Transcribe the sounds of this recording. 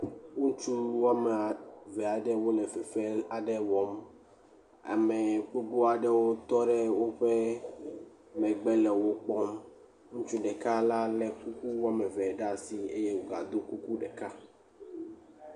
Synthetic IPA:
u˦t͡ʃu˦wo˦a˦mɛ˨a˨vɛ˨a˨ɖɛ˦wo˦lɛ˨fɛ˨fe˦a˨ɖɛ˦wɔ˦m | a̰˨me˨k͡po˦ɡ͡bo˦a˨ɖɛ˦wo˦t̪ɔ˦ɖɛ˦wo˦ɸe˦ | mɛ̃˨ɡ͡bɛ˦lɛ˨wo˦k͡pɔ˦m | ŋũ˦t͡ʃu˦ɖɛ˨ka˦la˦lɛ˨ku˦ku˦wo˦a˦mɛ˨vɛ˨ɖa˦si˨e˦je˦wo˨ɡa̰˨d̪o˦ku˦ku˦ɖɛ˨ka˦

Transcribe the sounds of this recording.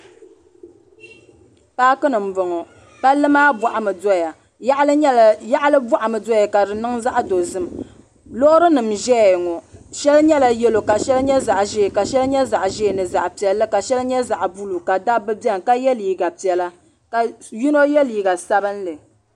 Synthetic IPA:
paː˦kɨ˦nɨ˨m̩˨bʊ˨ŋɔ˨ | pa˦lːɨ˦maː˦bɔ˨ʔa˨mɨ˨dɔ˦ja˨˦ | ʔja˦ʔlɨ˦bɔ˦ʔa˨mɨ˨dɔ˦ja˨ka˨dɨ˨nɨ˦ŋza˦ʔdo˨zɨ˦m | lo˦ʔʊ˦ɾɨ˦nɨ˨mʒɛ˦˨ŋɔ˨ʃɛ˦lɲɛ˦la˨jɛ˦lo˨ka˨ʃɛ˦lɲɛ˦za˨ʔʒe˦˨ka˨ʃɛ˦lɲɛ˦za˨ʔʒe˦˨nɨ˨za˨ʔpi˨ɛ˨lːɨ˦ka˨ʃɛ˦lɲɛ˦za˨ʔbu˦lu˨ka˨da˦bɨ˦bɛ˦ŋ˨ka˦jɛ˦liː˨ɡa˨pi˨ɛ˨la˦ | ka˨ji˦no˦jɛ˦liː˨ɡa˨sa˦bɨ˦n˦lɨ˨

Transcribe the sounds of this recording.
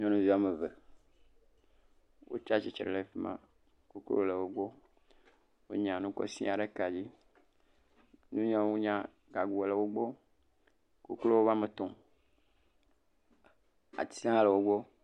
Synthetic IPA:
ɲɔ̃˦nũ˦vi˦a˨me˨ve˨ | wʔo̰˦t͡ʃa˦t͡ʃi˨t͡ʃɾḛ˨le˨fi˦mã̰˦ | ko˨klo̰˦˨le˨wo˦ɡ͡bo˦ | wo̰˦ɲã˨nũ˦kɔ̰˦sḭ˦a˨ɖe˦ka˨d͡ʑi˦ | nũ˦ɲã˦wu˦ɲã˦ | ɡa˨ɡu˨e˨le˨wo˦ɡ͡bo˦ | ko˨klo˦wo˦va˦me˨t̪ɔ̃˨ | a̰˨t̪i̥˨sã˦le˨wo˦ɡ͡bo˦

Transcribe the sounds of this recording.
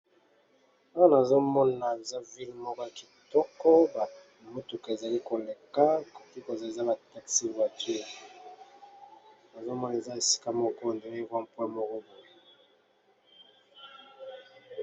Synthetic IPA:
a˦a˦na˨zo˦mɔ˦na˨e˨za˦vi˦lmɔ˦kɔ˦ja˨ki˨tɔ˦kɔ˦ba˨ | mo˦tu˨ke˨za˨li˦ko˨le˨ka˦˨ko˨ti˦ko˨za˨e˨za˦ba˨ta˦ksi˦va˨ti˦a˨ | na˨zo˦mɔ˦na˨e˨za˦e˨si̥˦ka˦mɔ˦kɔ˦˨ndo˨˦e˦vwa˦mpwɛ˦mɔ˦kɔ˦bo˨e˦

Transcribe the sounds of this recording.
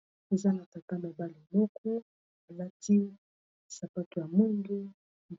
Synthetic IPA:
e˨za˦na˨ta˨ka˦ma˨ba˦li˨mɔ˦kʰɔ˦ | a˨la˦ti˦ | sa˨pa˦tu˨ja˨mu˦ŋɡu˦

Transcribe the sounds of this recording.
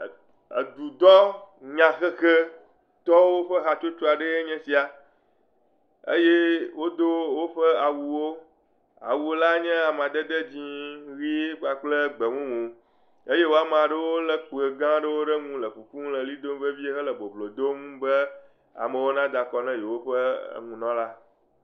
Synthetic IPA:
ə˨d̪u˨d̪ɔ˦ɲã˨xɛ˦xe˦ | t̪ɔ˦wo˦ɸə˦ɦa˨t͡ʃo˦t͡ʃo˦a˨ɖe˦e˦ɲɛ̃˦si˨a˨ | ḛ˦je˦wo˦d̪o˦wo˦ɸə˦a˨wu˨wo˦ | a̰˨wu˨o˦la˦ɲɛ̃˦a˨m˨ã˨d̪ə˦d̪e˦d͡ʑĩ˦ɣi˦e˦k͡pa˨k͡plə˦ɡ͡bə˨ŋũ˦mũ˨ | e˦je˦wo˦a˦mã˨ɖə˦wo˦lə˦k͡pə˨ɡã˦ɖə˦wo˦ɖə˦ŋũ˦lə˨ɸu˨kũ˦m˦lə˨li˦d̪o˦m˦bə˦vi˦e˦xə˦lə˨bo˨blo˨d̪o˦mbə˦ | a̰˨mə̃˨wo˦nã˦d̪a˨kɔ˦nɛ̃˦je˨wo˦ɸə̰˦˨ŋũ˨nɔ̃˦la˦

